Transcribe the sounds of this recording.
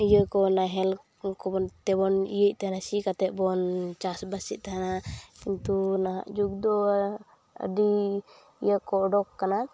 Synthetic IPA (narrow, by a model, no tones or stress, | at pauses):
ijəkɔnaɦɛl | kɔbɔnt̪ɛbɔnḭjəc̚ˀt̪aɦanasikat̪ɛʔ̚bɔnt͡ʃasbasiʔ̚t̪aɦanakint̪unaɦa̰ʔd͡ʒuɡd̪ɔ | ə̰ɖi | ijəkɔɖɔkːana